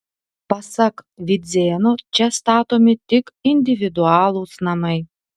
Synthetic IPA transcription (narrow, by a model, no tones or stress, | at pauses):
pɐsɐkʋʲɪd̪zʲeːnot͡ʃʲɛst̪ɑːt̪oːmʲɪt̪ʲɪkɪnʲd̪ʲɪʋʲɪd̪ʊɑːlˠuːsnɐmɐɪ